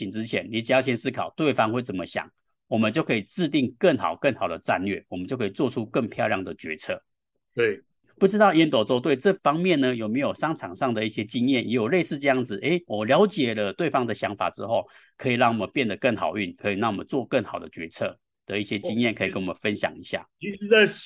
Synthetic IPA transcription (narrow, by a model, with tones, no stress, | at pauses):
i˨˩nt͡sɻ̩˥t͡ɕʰjɛ˧˦nli˨˥t͡ɕi˨˧˥ɕʰjɛ˥nsɹ̩˥kʰɑ˨˩ʊt̪we˥˩ɪfɑ˥ŋxwe˥˩ɪt͡sə˨˩nmə˦ɕjɑ̰˨˩˦ŋ | wɔ˨˩mə˦nt͡ɕjo˥˩ʊkʰɤ˧˥i˨˩ʈ͡ʂɻ̩˥˧t̪i˥˧ŋkə˥˩ŋxɑ̰˨˩ʊkə˥˩ŋxɑ˨˩ʊd̪ə˦ʈ͡ʂa˥˧nlɥɛ̰˥˩wɔ˨˩mə˦nt͡ɕjo˥˧ʊkʰi˨˩t͡swɔ˥˧ʈ͡ʂʰu˥kə˥˧ŋpʰjɑ˥˧ʊljɑ˥˩ŋd̪ə˩t͡ɕɥɛ˧˥t͡sʰɤ˥˩ | pu˥˩ʈ͡ʂɻ̩˥t̪ɑ˥˩ʊjɛ˥nt̪wɔ˨˥˩t͡swɔ˥˧t̪we˥˩ɪʈ͡ʂɤ˥˩fɑ˥ŋmjɛ˥˨nːə˩jo˨˩ʊme˧˥ɪjo˨˩ʊʂɑ˥ŋʈ͡ʂʰɑ˨˩ŋʂɑ˥˩ŋd̪ə˩i˥˩ɕjɛ˥t͡ɕi˥ŋjɛ˥˩njɛ˧˥jo˨˩ʊle˥˧ɪʂɻ̩˥˧ʈ͡ʂɤ˥˧jɑ˥˩ŋd͡zɹ̩˩ʔe˥ɪwɔ˨˩ljɑ˧˥ʊt͡ɕjɛ˨˩lə˦t̪we˥˩ɪfɑ˥ŋd̪ə˨ɕjɑ˧˥ŋfa̰˨˩ʈ͡ʂɻ̩˥xo˥˩ʊkʰɤ˧˥i˨˩lɑ˥˩ŋwɔ˨˩mə˦npjɛ˥˩nd̪ə˩kə˥˩ŋxɑ̰˨˩ʊy˥˩nkʰɤ˧˥i˨˩nɑ˥˩ŋwɔ˨˩mə̰˦nt͡swɔ˥˧kə˥˩ŋxɑ˨˩ʊd̪ə̰˦t͡ɕɥɛ˧˥t͡sʰɤ˥˩ | d̪̥ə˩˦i˥˩ɕjɛ˥t͡ɕi˥ŋjɛ˥˩nkʰɤ˧˥i˨kə˦˥nwɔ˨˩ə˦nfə˦nɕjɑ̰˨˩ŋi˧˥ɕja̰˥˩˥